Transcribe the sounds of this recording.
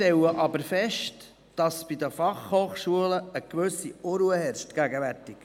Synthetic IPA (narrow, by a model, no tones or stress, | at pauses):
tɛləʔɑbəɾfɛʃt | d̥ɑsb̥idəfɑχhoːχʃuələəkʋɵsiʔoɾuəhɛɾʃtɡ̥æɡəʋærtɪk